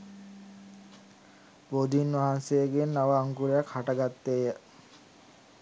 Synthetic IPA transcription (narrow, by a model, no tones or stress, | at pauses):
bod̪inʋaɦansejəɡenːaʋaːŋkuɾejakhaʈəɡat̪ːejə